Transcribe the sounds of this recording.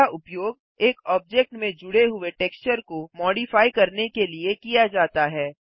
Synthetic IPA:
aʔʊpjoːɡ̚ | eːkɔːb̚d͡ʒɛk̚ʈmẽd͡ʒʊɽeɦʊeʈɛːkst͡ʃəɾkomɔːɖifaːikɐɾnekeliekijad͡ʒaːt̪aɦɛː

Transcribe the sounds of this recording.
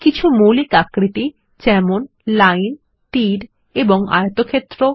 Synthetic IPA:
kit͡ɕʰumulikakɾiʈi | d͡ʑɛmon | lajn | ʈiɖ | eboŋa̰jot̪okʰet̪ːɾo

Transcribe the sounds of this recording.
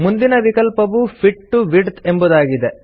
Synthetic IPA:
mund̪inɐʋikɐlpɐʋupʰiʈːuʋiɖt̪embud̪aːɡid̪e

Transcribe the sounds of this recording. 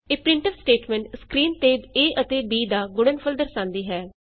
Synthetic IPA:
eːpɾɪ̃ɳʈəbsʈeːʈmɛ̃ɳʈskɾiːnt̪eːd̪eːʔət̪eːbiːd̪aːɡʊɽənpʰəld̪əɾsãːnd̪iːɦɛː

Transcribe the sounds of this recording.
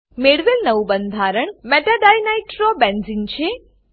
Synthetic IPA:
meɽʋelnəʋubənd̪ʱaɾəɳmɛʈaɖajnaiʈɾobenzint͡ʃʰe

